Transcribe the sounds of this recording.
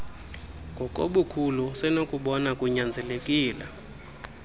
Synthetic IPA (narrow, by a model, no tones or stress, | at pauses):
ŋɡʱɔkʼo̰ɓukʰulusɛnokʼuɓɔnakʼuɲand͡zʱɛlekʼiːla